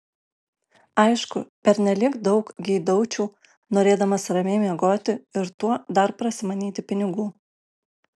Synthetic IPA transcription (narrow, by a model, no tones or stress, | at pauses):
ɐɪʃkʊpʲɛɾʲnʲɛlʲɪkd̪ɒʊkɡʲɪd̪ɒʊt͡ʃʲuː | noːɾʲeːd̪ɐmɐsɾɐmʲeɪmʲiɛɡoːt̪ʲɪɪɾt̪uɔd̪ɐɾpɾɐsʲɪmɐnʲiːt̪ʲɪpʲɪnʲɪɡuː